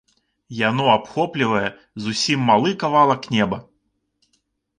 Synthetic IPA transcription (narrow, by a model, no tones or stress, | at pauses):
janɔapxɔplʲɪvɐjɛ | zusʲimːalˠɨkavalˠɐknʲɛbɐ